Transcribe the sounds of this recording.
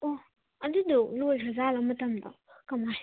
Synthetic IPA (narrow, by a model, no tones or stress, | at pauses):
ɔ | ɐdudɔlojɾɐzalɐmɐtɐmdɐ̰ | kɐmas